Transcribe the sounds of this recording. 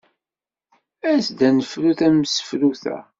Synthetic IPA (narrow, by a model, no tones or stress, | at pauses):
æsd̪ænəfɾuθæməsə̥fɾuθæ̰